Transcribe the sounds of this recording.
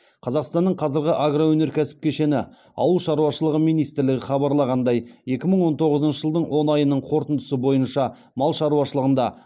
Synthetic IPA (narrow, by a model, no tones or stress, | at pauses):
qʰɑzɑqst̪ɑnːəɴqʰɑzɪɾɡʲɪʔaɡrowɵneɾkʲʰæsɪ̥p̚kʲʰeʃe̞nɪ | ɑ̰wəlˠʃɑɾuwɑʃəlˠəʁəmijnijst̪ɪɾlɪɡʲɪχɑbɑɾlˠɑʁɑnd̪ɑje̞kʲɪməɴwo̞nt̪ʰo̞ʁəzənʃəʒəlˠd̪əɴwo̞nɑjənəɴqʰo̞ɾt̪ənd̪əsəbo̞jənʃɑ | mɑlˠʃɑɾuɑʃəlˠəʁənd̪ɑ